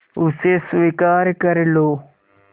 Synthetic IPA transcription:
usesʋikaːɾkəɾlo

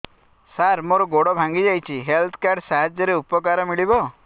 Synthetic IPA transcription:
saɾmoɾɔɡoɽɔbʱãŋɡid͡ʒajt͡ʃʰiɦelt̪ʰɔ̥kaɾɖsaɦad͡ʒjɔɾeupɔkaɾɔmiɭibɔ

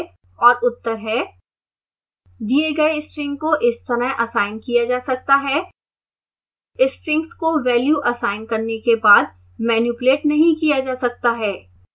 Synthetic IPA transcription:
ɔːɾʊt̪ːəɾɦɛ | d̪ieɡɐeɪsʈɾɪ̃ŋɡkoʔɪst̪ɐɾəɦʔɐsaːɪnkijad͡ʒaːsɐk̚t̪aɦɛː | ɪsʈɾɪ̃ŋkskoʋɛːljuʔɐsaːɪnkɐɾnekebaːd̪̚ | mɛːnjuːpʊleːʈnɐɦĩkijad͡ʒaːsɐk̚t̪aɦɛː

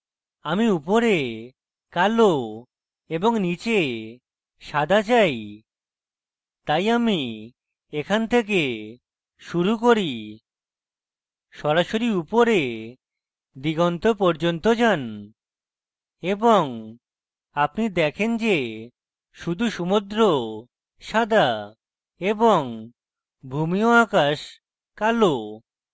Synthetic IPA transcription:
amiupoɾe | kalo | eboŋnit͡ɕe | ʃad̪ʱat͡ɕaj | t̪ajami | ekʰant̪ʰek̬e | ʃuɾukoɾi | ʃɔɾaʃoɾiupoɾe | d̪iɡont̪opɔɾd͡ʑont̪od͡ʑan | eboŋ | apnid̪ɛkʰend͡ʑe | ʃud̪ʱuʃumud̪ɾo | ʃad̪ʱa | eboŋ | bʱumioakaʃ | kalo

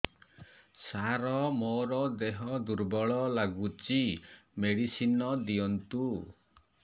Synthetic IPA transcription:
saɾɔmoɾɔd̪eɦɔd̪uɾbɔɭɔlaɡut͡ʃimeɽisinɔd̪ijɔnt̪u

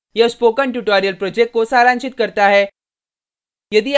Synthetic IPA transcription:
jəspoːkəɳʈuʈɔːɾijəlpɾoːd͡ʒek̚kːosaːɾãːnʃɪt̪̚kəɾt̪aɦɛ | jɐd̪i

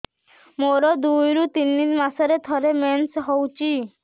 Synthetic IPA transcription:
moɾɔd̪ujɾut̪inːimasɔɾet̪ʰɔɾemensɦɔwt͡ʃʰi

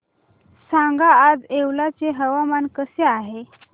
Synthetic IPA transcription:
sãŋɡaːd͡zeʋlat͡seɦəʋamankəseaɦe

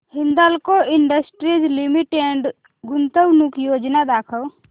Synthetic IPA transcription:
hind̪alkoiɳɖəsʈɾid͡ʒlimiʈeɳɖ | ɡunt̪əwnukjoːd͡ʒnad̪aːkʰəw

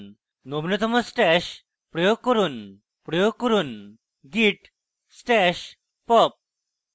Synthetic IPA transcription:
nobnot̪ʰəməsʈɛɕ | pɾɔjoɡ̚kɔɾuːn | pɾɔjoɡ̚kɔɾuːn | ɡiʈ | sʈɛɕ | pɔp̚

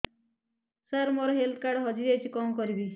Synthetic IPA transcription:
səɾmoɾɔɦelt̪̚ʰkaɾɖɦʌd͡ʒiɾejt͡ʃʰikɔmkɔɾibi

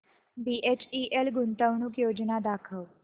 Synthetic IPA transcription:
biʔet͡ɕiʔelɡunt̪əʋɳuːkjod͡ʒnad̪akʰəw

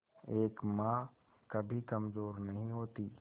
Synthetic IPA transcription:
eːkmã | kɐbʱikɐmzoːɾnɐɦĩɦoːt̪iː

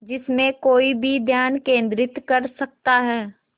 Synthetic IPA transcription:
d͡ʒɪsmẽkoːibʱid̪ʱjaːnkẽːnd̪ɾɪt̪kɐɾsɐk̚t̪aɦɛː

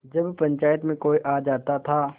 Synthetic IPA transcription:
d͡ʒɐbpɐ̃ɲt͡ʃaːjət̪mẽkoːiʔaːd͡ʒaːt̪at̪ʰaː

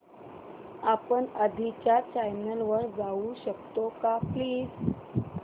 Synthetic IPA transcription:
apəɳəd̪ʱit͡ɕjat͡ɕajnəlʋəɾd͡zauɕəkt̪okapliːd͡z

